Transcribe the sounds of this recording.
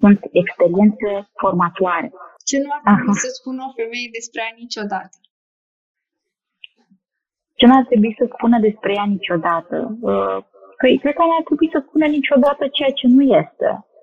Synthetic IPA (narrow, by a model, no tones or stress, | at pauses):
sunt̪ekspe̞ɾie̞nt̪se̞fo̞rmat̪uaɾe̞̰t͡ʃenuaɾeiisəspunofe̞me̞jed̪e̞spɾejanit͡ʃo̞d̪at̪ə̥ | t͡ʃe̞nuart̪ɾe̞buisəspunəd̪e̞spɾe̞janit͡ʃʲo̞d̪at̪ə̰ə | kəjkɾed̪̚kanart̪ɾe̞buisəspunənit͡ʃʲo̞d̪at̪ət͡ʃe̞jat͡ʃe̞nujest̪e̞̰